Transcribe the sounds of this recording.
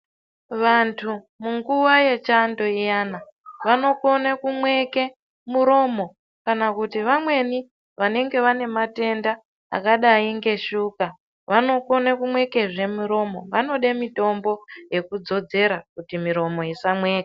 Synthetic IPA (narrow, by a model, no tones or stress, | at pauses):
ʋantʰu | muŋɡuʋaje̞t͡ʃando̞ijana | ʋano̞ko̞nekumwe̞ke̞ | muɾo̞mo̞ | kanakutiʋamwe̞ni | ʋane̞ŋɡe̞ʋane̞mate̞nda | a̰kaɗaiŋɡe̞ʃuka | ʋano̞ko̞nakumweke̞ʐe̞muɾo̞mo̞ʋano̞ɗemito̞mbo̞je̞kud͡zo̞d͡ze̞ɾakutimiɾo̞mo̞isamwe̞ːke